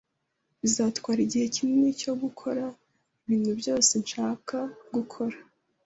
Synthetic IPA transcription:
βizaːtkwaːɾiɟihe̞cinunico̞ɡukʰo̞ɾa | iβiːn̥hubjo̞ːse̞nʃaːkʰaɡukʰo̞ɾa

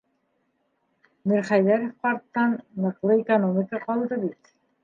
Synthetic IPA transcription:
miɾχɑjðæɾɘfqɑɾt̪ːɑnːɤ̆qlˠɤikonomʲikəqɒlˠd̪ɤbit̪

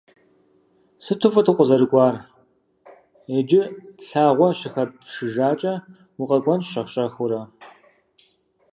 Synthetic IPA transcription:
sɨtʰufɐtʰɨqʷʼʊzɐɾɨkʷʼɑːr | eːd͡ʒɪɬaːʁʷɔʃɪxɐpʂɨʒaːt͡ʃʼɐ | wʊqʼɐkʷʼɔnʃɐʁɕʼɐxʷʊɾɐ

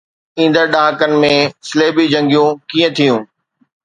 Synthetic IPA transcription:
ĩːn̆d̪əɾɗaːkənɪ̆mẽsɪleːbid͡ʑɐ̃ŋɡijũkĩːə̃t̪ʰijũː

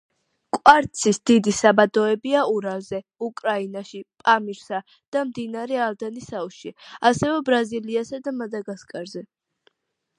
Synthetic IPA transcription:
kʼwaɾt̪sʰisd̪̥id̪isabad̪ɔɛbiauɾazɛukʼɾainaʃipʼamiɾsa | d̪̥amd̪inaɾɛalˠd̪anisauʃiasɛvɛbɾaziliasad̪amad̪aɡaskʼaɾzɛ

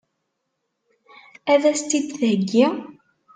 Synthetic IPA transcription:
æðæst̪id̪θæɡːi

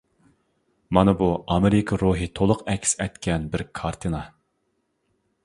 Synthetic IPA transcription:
mɑnɨbuʔɑmeɾɪkʰɑɾuɦɨt̪ʰolˠʊqɛkʲʰsɛjt̪kʲʰɛnbɪɾkʰɑɾt̪ʰɨnɑ

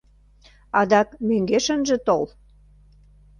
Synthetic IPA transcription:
ɑd̪ɑkmøŋɡeʃə̆nʒĕt̪ol

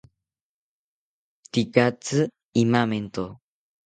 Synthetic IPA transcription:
t̪ikat͡sɨ | imament̪o

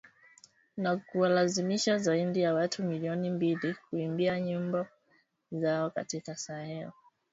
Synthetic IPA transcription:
nakuwalazimiʃazaindijawatʰumiliɔnimbilikuimbiaɲumbɔ | zaɔka̰tikasahɛu

